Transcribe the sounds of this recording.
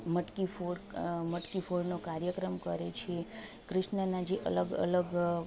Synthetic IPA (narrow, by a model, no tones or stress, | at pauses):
məʈkifoɽməʈkifʰoɽnokaɾjəkɾəmkəɾet͡ʃʰe | kɾɪʃnənad͡ʒeʔə̰ləɡə̰ləɡ